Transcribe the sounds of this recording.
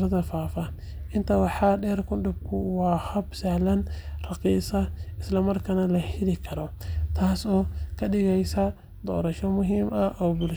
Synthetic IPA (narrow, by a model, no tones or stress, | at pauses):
ɾɐðɐfaːfɐ | ʔɪnt̪ʰɐwɑħɑːɗɛːrkʰʊnɖʊb̚kʰʊwɑːhɐbsɐhlɐnrɑqiːsɐɪslɐmɐrkʰɐnɐlɐhɪlɪkʰɐɾɔt̪ʰaːsɔːkʰɐɗɪɣɛjsɐ | d̪ɔ̰ːɾɐʃɔmʊɦiːmɐʔɔːbʊl